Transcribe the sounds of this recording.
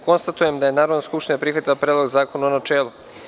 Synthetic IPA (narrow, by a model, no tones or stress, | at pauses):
ko̞nst̪at̪ujemd̪aje̞naːɾod̪naskupʃt̪iɲapɾixʋat̪ilapɾeːd̪lozaːkonuonat͡ʃeːlˠu